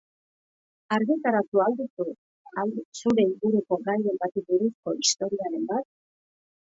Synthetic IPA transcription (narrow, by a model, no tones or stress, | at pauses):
aɾɣit̪aɾat̪uald̪usu | asuɾe̞iŋɡuɾuko̞ɡaje̞mbat̪ibuɾusko̞ist̪o̞ɾiaɾe̞mbat̪̚